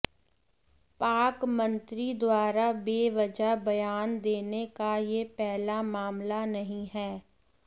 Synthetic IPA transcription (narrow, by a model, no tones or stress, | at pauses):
paːkmənt̪ɾiːd̪ʊaːɾaːbeːʋəd͡ʒaːbəjaːnd̪eːnekaːjeːpɛːlaːmaːmlaːnəɦĩːɦɛː